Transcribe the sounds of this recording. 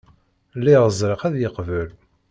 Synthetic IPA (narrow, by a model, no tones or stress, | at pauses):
lːiʁəzˤɾəqæðjəqvəl